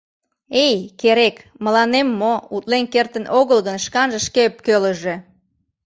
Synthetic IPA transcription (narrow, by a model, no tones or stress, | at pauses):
ejkeɾekməlɑnemːout̪lenkert̪ənʔoɣəlɣənʃkɑnʒə̆ʃkep̚køləʒe̽